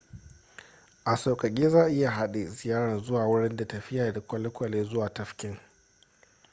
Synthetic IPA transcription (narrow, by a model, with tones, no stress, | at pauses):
ʔa˨sɐ˨kʼɐ˨kʲʼiː˦zaː˦˨ʔɪ˦ja˨ɦa˦ɗe˨zɪ˨jaː˦ɽɐ˨nzʊ˦waː˨wʊ˦ɽɪ˦nda˨tɐ˨ɸɪ˦jaː˨da˨kʷɐ˦lɪ˦kʷɐ˨leː˦zʊ˦waː˨tɐ˦ɸkʲɪ˦ŋ